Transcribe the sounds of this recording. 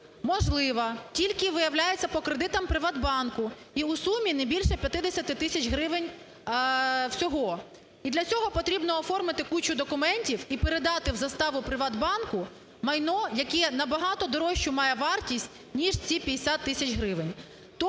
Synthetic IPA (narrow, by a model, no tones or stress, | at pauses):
mɔʒlˠɪʋɐtʲilʲkɪʋɪjɐwlʲajet͡sʲːɐpɔkɾed̪ɪt̪ɐmpɾɪʋɑd̪bɑnkʊ | iusumʲinɛbʲilʲʃɛpʲjɐt̪ɪd̪esʲɐt̪ɪt̪ɪsʲɐt͡ʃɦɾɪʋɪnʲ | w̥sʲɔɦɔ | id̪lʲɐt͡sʲɔɦɔpɔt̪ɾʲibnɔːfɔrmɪt̪ɪkut͡ʃʊd̪ɔkʊmɛnʲtʲiwipeɾed̪ɑt̪ɪwzɐst̪ɑʋʊpɾɪʋɑd̪bɑnkʊ | mɐjnɔjɐkɛnɐbɐɦɑt̪ɔd̪ɔɾɔʃt͡ʃʊmɑjɛʋɑrtʲisʲtʲ | nʲiʒt͡sʲipʲɐd̪ʲesʲat̪ːɪsʲɐt͡ʃɦɾɪʋɪnʲ | t̪ɔ